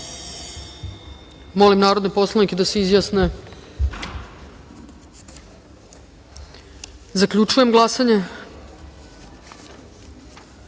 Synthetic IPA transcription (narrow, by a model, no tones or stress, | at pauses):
mo̞limnaːɾod̪nepo̞slˠanikʲed̪aseizjaːsne | zakʎut͡ʃuje̞mɡlˠasaɲe